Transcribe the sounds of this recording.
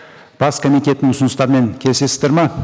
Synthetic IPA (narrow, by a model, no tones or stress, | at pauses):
b̥ɑskʰomijt̪ʲe̞t̪ːɪŋʊsʊnəst̪ɑɾəme̞ŋkʲʰelse̞sɪ̥zd̪eɾmɑ